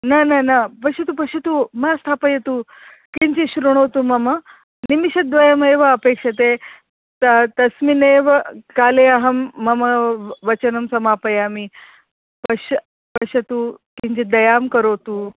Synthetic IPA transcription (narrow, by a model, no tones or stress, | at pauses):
nananapɐɕɐt̪upɐʂɐt̪uːmast̪ʰaːpɐjet̪uː | kiɲt͡ɕiɕɾuɽ̃ot̪umɐmɐ | nimiɕɐd̪ʋɐjɐmeːʋɐɐpekʂɐt̪̬e | t̪t̪ɐsmineʋkaːleɐɦɐmːɐmɐʋɐt͡ɕɐnɐmsɐmapɐjami | pɐɕ | pɐɕɐt̪uːkiɲt͡ɕid̪ɐjamkɐɾowt̪uː